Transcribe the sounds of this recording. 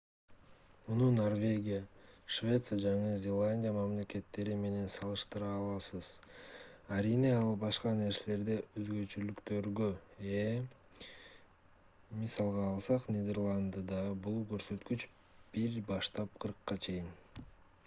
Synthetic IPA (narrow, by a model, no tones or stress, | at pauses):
mununorvʲe̞ɡʲijaʃvʲe̞t̪sɨjad͡ʒɑɴɯzʲe̞lˠanʲdʲijamamle̞ke̞t̪ːe̞ɾime̞ne̞nsɑlˠɯʃt̪ɯɾɑːlˠɑsɯz̥ | aɾineɑlˠbɑʃqɑne̞ɾse̞le̞ɾd̪e̞øzɡø̞t͡ʃylykt̪ø̞ɾɡøe | misɑlˠʁɑːlˠsɑqnʲid̪ʲe̞rlˠand̪əd̪ɑbulˠkø̞ɾsø̞t̪kyt͡ʃ | b̥iɾbɑʃt̪ɑp̚qʰɯɾqːɑt͡ʃʰe̞jin